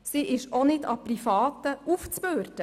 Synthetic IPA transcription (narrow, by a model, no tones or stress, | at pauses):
siːʔɪʃonɪdɑ̰prifɑːt̪əuft͡spøːɾtə